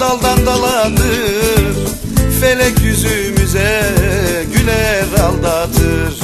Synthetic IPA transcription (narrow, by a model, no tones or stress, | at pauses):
alˠd̪and̪alˠat̪ɯɾ | felʲɛcjyzymyzɛ | ɟylɛɾalˠd̪at̪ʰɯɾ̥